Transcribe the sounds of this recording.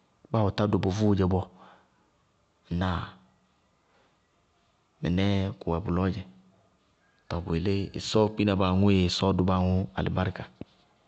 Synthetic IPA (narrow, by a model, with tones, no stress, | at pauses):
ba˦wɔ˨ta˦do˨bo˨vu˦˨d͡ʒɛ˨bɔ˦˧˨ | na˨ | mɛ̰˨nɛ˦ku˨wɛ˨bu˨lɔ˦d͡ʒɛ˨ | tɔ˨bu˨e˨le˦ḛ˨sɔ˦k͡pi˦na˨ba˨ŋu˦je˨sɔ˦du˦ba˦˨ŋʊ˦a̰˨lḭ˨ba˦ɾka˨